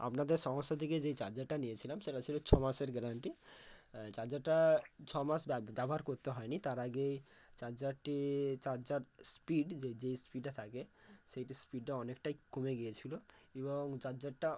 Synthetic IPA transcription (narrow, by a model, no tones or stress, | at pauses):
a̰pnad̪eɾʃɔmosːat̪ʰiked͡ʑejt͡ɕaɾd͡ʑaʈanijet͡ɕʰilamʃeʈat͡ɕʰilot͡ɕʰɔmaʃeɾɡɾaɳʈi | t͡ɕaɾd͡ʑaʈat͡ɕʰɔmaʃbɛbʱoɦaɾkoɾt̪eɦɔenit̪aɾaɡejt͡ɕaɾd͡ʑaʈit͡ɕaɾd͡ʑaɾspiɖed͡ʑejspiɖʈat̪ʰakeʃejʈispiɖʈaɔnekʈajkomeɡijet͡ɕʰiloeboŋt͡ɕaɾd͡ʑaʈa